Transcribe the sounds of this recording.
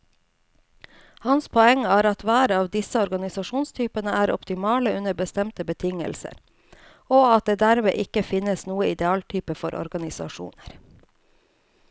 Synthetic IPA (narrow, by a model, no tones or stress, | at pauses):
hɑnspʰɔɛŋæːɾɑt̪ʋæːɾəɑːʋd̪ɪsəɔɾɡɑnɪsɑʂuːnst̪ʰyːpənəʔæːɾʔɔ̰pt̪ɪmɑːləʉnəɾbəst̪ɛmt̪əbət̪ʰɪŋə̰lsə̰ɾ | oːɑt̪̚d̪eːd̪æɾmḛːʔɪkəfɪnəsnuːəɪd̪ɛɑːlt̪ʰyːpəfɔɾʔɔ̰ɾɡɑnɪsɑ̰ʂṵːnəɾ